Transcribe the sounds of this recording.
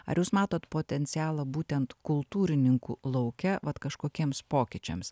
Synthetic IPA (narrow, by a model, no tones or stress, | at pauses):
ɐ̰ɾjuːsmɑːt̪oːt̪poːt̪ʲɛnʲt̪sʲɪæːlˠɐbuːt̪ʲɛnt̪kʊlˠt̪uːɾʲɪnʲɪŋkuːlˠɐʊkʲɛʋɐt̪kɐʃkoːkʲiɛmspoːkʲɪt͡ʃʲɛ̰ms